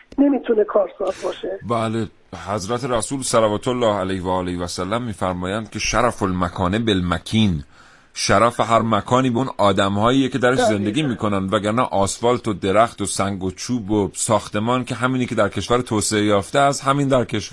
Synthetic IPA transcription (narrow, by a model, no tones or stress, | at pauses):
nemit̪ʰunekʰɒːɾsɒːzbɒːʃebæːle | hæzɾæt̪ʰeɾæsuːlsælævɒːt̪ʰolːɒːhælæjhvæːlejvæsælːæmːiːfæɾmɒːjænd̪̥kʲcʰe̞ʃæɾæfolmækʰɒːnebelmækʰiːn | ʃæɾæːfeɦæɾmækʰɒːniːbonɒːd̪æmhɒːjiːjecʰe̞d̪æɾeʃze̞nd̪e̞ɡʲiːmiːkʰo̞nænd̪væɡæɾnæ̰ʔɒːsfɒːlt̪ʰod̪e̞ɾæxt̪osæŋɡot͡ʃʰuːbosɒːxt̪e̞mɒːncʰʲe̞ɦæmiːnikʰe̞d̪æɾkʰe̞ʃvæɾt̪ʰoːseejɒːft̪eæshæmiːnd̪æɾkʰe̞ʃ